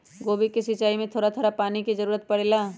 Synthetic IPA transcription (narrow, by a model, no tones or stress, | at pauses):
ɡoːbikisɪt͡ʃaːimẽt̪ʰoːɽat̪ʰoːɾapaːnikizɐɾuːɾət̪̚pɐɽelaː